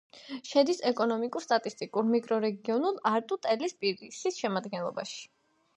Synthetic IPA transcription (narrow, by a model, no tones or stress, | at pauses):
ʃɛd̪isɛkʼɔnɔmikʼuɾst̪ʼat̪ʼist̪ʼikʼuɾmikʼɾɔɾɛɡiɔnulˠaɾt̪ʼut̪ʼɛlispʼiɾsisʃɛmad̪ɡɛnlˠɔba̰ʃi̥